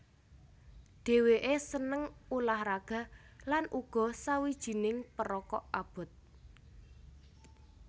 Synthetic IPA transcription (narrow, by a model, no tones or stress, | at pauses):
d̥e̤weʔesənəŋulahɾaɡ̥a̤ | lanʔuɡ̥ɔ̤sawid̥ʒ̥i̤nɪŋpəɾɔkɔʔab̥ʊ̤t̪̚